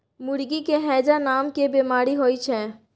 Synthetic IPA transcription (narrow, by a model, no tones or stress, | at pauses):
mʊɾɡikeɦɛːd͡ʒanaːmkebeːmaːɾiɦoːit͡ʃʰɛ̃ː